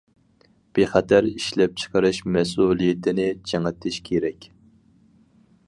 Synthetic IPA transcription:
b̥eχæt̪ʰæɾiʃlɛp̚t͡ʃʰə̥qʰəɾɨʃmɛs̬ulˠijɪt̪ʰɪnɪd͡ʒʰɛŋɛt̪ʰɪʃkʲʰeɾɛkʲ

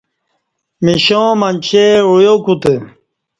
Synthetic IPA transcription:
miɕõːmɐnt͡ɕʰeujokut̪e

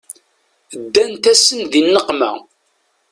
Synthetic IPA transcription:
əd̪ːænt̪æsənðinːəqmæ̰

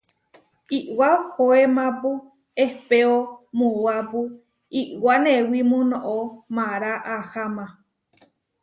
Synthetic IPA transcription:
iʔwahoemãpu | ehpeomũwapu | iʔwanẽwimũnõʔomãɾaʔahamã

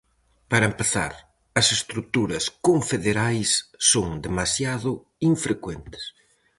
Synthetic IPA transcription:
pɐɾɐempeθa̰ɾ | ɐsest̪ɾut̪uɾɐskõɱfeðeɾajsːoŋd̪emasjaðʊ | iɱfɾekwent̪ɪ̥s

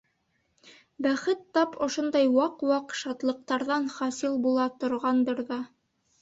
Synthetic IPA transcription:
bæχɘt̪ːɑpʰŏʃond̪ɑjwɑqwɑqʃɑt̪lˠɤ̆q̚t̪ɑɾðɑnχɑsilˠbulˠɑt̪ŏɾʁɑnd̪ɤɾðɑ

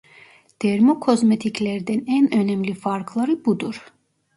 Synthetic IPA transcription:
d̪̥ɛɾmokʰo̞zmet̪ʰicʰlʲæɾd̪ænænønɛmlʲifaɾkʰlˠaɾɯbud̪uɾ̥

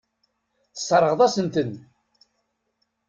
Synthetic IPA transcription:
θə̥sˤːɾˤəʁðˤæsənt̪ən

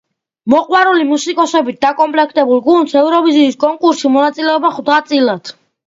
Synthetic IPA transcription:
mɔqʼwaɾulimusikʼɔsɔbit̪̚d̪akʼɔmpʼlɛkʰt̪ʼɛbulˠɡund̪sɛvɾɔviziːskʼɔŋkʼuɾsimɔnat̪sʼilɛɔbaχd̪at̪sʼilˠad̪̥

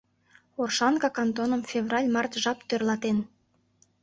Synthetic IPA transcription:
orʃɑnkɑkɑnt̪onəmfʲevrɑlʲmɑrt̪ʒɑpt̪ørlɑt̪en

